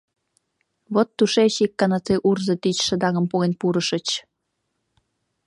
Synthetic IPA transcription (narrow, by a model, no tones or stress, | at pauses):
βot̪ːuʃeɕikːɑnɑt͡seʔurzə̆t̪it͡ɕʃə̆d̪ɑŋə̆mpuɣenpuɾəʃət͡ɕ